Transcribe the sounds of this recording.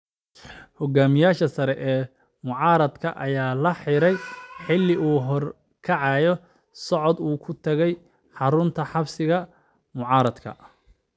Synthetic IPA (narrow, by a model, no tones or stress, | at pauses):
hɔɡaːmɪjaːʃɐsɐɾɛʔɛː | mʊʕɑːɾɐd̪kʰɐʔɐjaːlɐħɪɾɛjħɪlːɪʔuːɦɔr | kʰɐʕɑjɔ | sɔʕɔd̪uːkʰʊt̪ʰɐɣɛj | ħɑɾʊnt̪ʰɐħɑbsɪɣɐ | mʊʕɑːɾɐd̪kʰɐ̰